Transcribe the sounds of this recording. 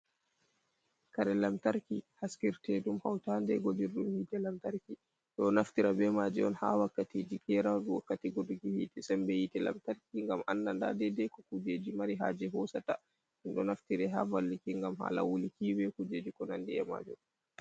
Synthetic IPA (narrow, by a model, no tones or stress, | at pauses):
kaɾɛlamtaɾkihaskiɾtɛdumhawtandɛɡod͡ʒiɾɗumhiːtɛlamtaɾki | ɗɔnaftiɾabɛmad͡ʒɛ̰ɔ̰nha̰wakːatid͡ʒikɛɾawduwakːatɛɡoɾiɡihiːtɛsɛmbɛjitɛla̰mtaɾkiŋɡamʔa̰nːanda̰dɛdɛkɔkud͡ʒeːd͡ʒimaɾiɦa̰d͡ʒɛɦɔsata | hinɗɔnaftiɾɛɦa̰valːikiŋɡamha̰la̰wulikibɛkud͡ʒed͡ʒikɔnandiɛ̰ma̰d͡ʒum